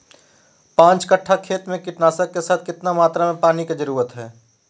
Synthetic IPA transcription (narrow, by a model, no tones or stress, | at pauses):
pãːt͡ʃkəʈʰːakʰeːt̪mẽkɪʈnaːsəkkːesaːt̪̚ʰkɪt̪namaːt̪ɾamẽpaːniked͡ʒəɾuːɾət̪ɦɛː